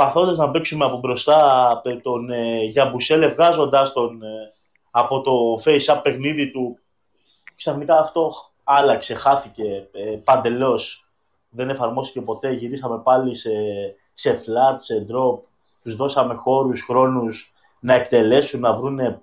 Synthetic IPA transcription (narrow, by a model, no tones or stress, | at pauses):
pɐθo̞nd̪ɐznɐbeksumeɐpobɾo̞st̪ɐt̪o̞nʝɐbuse̞levɣɐzo̞nd̪ɐst̪on | ɐpo̞t̪o̞fe̞isɐpe̞xniðit̪u | ksɐθnikɐːft̪o̞ | ɐlɐkse̞xɐθice̞pɐnd̪e̞lo̞s | ðe̞ne̞fɐɾmo̞st̪ice̞po̞t̪e̞ʝiɾisɐme̞pɐlise̞ | se̞flɐt̪se̞d̪ɾo̞p̚ | t̪uzðo̞sɐme̞xo̞ɾusxɾo̞nus | nɐe̞kt̪e̞le̞sunːɐvɾune̞